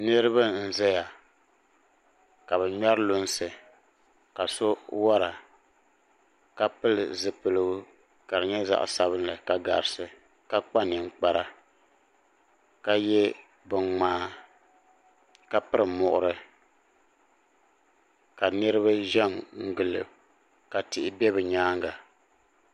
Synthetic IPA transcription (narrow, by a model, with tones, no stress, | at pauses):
nɨ˦ɾɨ˦ba˦n̩˦˨zɛ˦ja˨ | ka˨bɨ˨ɲa˦ɾlʊ˦n˦sɨ˨ | ka˨so˦wa˦ɾa˨ | ka˦pɨ˦lɨ˨zɨ˨pɨ˨lɨ˦ɡʊ˦ | ka˨ɾɨ˨ɲɛ˦za̰˦ʔsa˨βɨ˦n˦lɨ˨ka˨ɡa̰˨ɾɨ˨sɨ˨ | ka˦k͡pa˦nɪ˨ŋ͡m̩˦k͡pa˦ɾa˦ | ka˦jɛ˦ | bɨ˨ŋŋ͡maː˦ | ka˨pɨ˦ɾɨ˨mʊ˨ʔʊ̰˦˨ɾɨ˨ | ka˨nɨ˦ɾɨ˦βa˦ʒɛ˦mŋ̩˦ɡɨ˨lɨ̰˨ | ka˨tɪ˨ʔɪ˨bɛ˦βɨ˨ɲaː˦ŋ˦ɡa˨